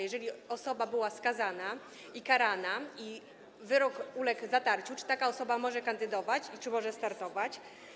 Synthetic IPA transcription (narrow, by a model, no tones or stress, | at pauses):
jɛʐɛlʲiɔsɔbabɘwaskazana | ikaɾanai | vɘɾɔkulɛɡzat̪aɾt͡ɕut͡ʂɘ̥t̪akaɔsɔbamɔʐɛkand̪ɘd̪ɔvat͡ɕit͡ʂɘmɔʐɛst̪aɾt̪ɔvat͡ɕ